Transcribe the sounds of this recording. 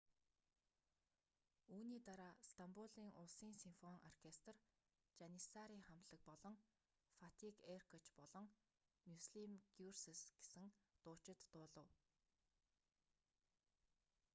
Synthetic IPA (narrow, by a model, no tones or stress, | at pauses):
uːniːt̪aɾaːst̪ampuɮiːŋʔʊɮsiːŋsimfɔŋɔrkʰest̪r | t͡ɕanisaɾiːχamt̪ɮə̆k̚pɔɮɞ̆ŋ | fat̪ʰikerkʰɔt͡ɕpɔɮɞ̆ŋ | mʲusɮimɡ̥jursesɡ̥e̥sɘ̆ŋt̪ʊːt͡ɕɪ̆t̪ːʊːɮə̆w